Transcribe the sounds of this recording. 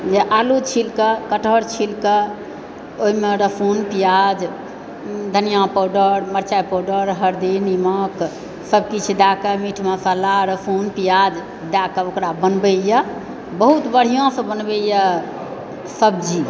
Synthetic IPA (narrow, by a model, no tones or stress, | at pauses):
d͡ʒeʔalut͡ʃʰilkəkəʈʰəɾt͡ʃʰilkə | oɦimeɾəpʰonpijad͡ʒ | d̪ʱənijãpoɖəɾməɾt͡ʃajpoɖəɾɦəɾd̪inimək | səb̚kit͡ʃʰd̪akəmiʈʰməsalaɾəpʰonpijad͡ʒ | d̪akəokɾabənbejə | bəɦut̪bəɽ̤ijõsə̃bənbejə | səbd͡ʒi